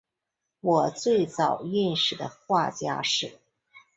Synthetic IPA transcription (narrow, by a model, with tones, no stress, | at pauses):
wɔ˨˩t͡swe˥˩ɪt͡sɑ˨˩ʊi˥˧nʂɻ̩˨˩d̪ə̰˦xwa˥˩t͡ɕja̰˥ʂɻ̩˥˩